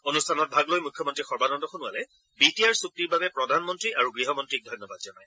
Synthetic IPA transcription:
onustʰanɔt̚bʱaɡlojmukʰjɔmɔntɹixɔɹbanɔndɔxunʊalɛ | bitijaɹsuk̚tiɹbabɛpɹɔdʱanmɔntɹiʔaɹuɡɹiɦɔmɔntɹik̚dʱɔjnɔbad̚zɔnaj

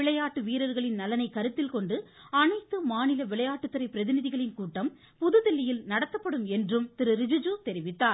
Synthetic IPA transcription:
ɪɭɐjaːʈːɯʋiːɾɐɾɣɐɭɪnnɐlɐnɐɪkɐɾɯt̪ːɪlkɔɳɖɯ | ɐnɐɪt̪ːɯmaːnɪlɐʋɪɭɐjaːʈːɯt̪ːɯɾɐɪpːɪɾɐðɪnɪðɪɣɐɭɪnkuːʈːɐm | pʊðɯðɪlːɪjɪlnɐɽɐt̪ːɐpːɐɽɯmɛndrɯmt̪ɪɾɯɾɪd͡ʒɯd͡ʒut̪ɛɾɪʋɪt̪ːaːɾ

